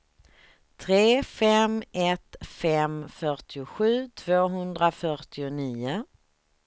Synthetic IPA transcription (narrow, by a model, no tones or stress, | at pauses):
t̪ʰɾeːfɛmɛt̪fɛmfœʈɪʊɧʉ̟ːt̪ʰv̥oːɦɵnd̪ɾafœɾʈɪʊniːʊ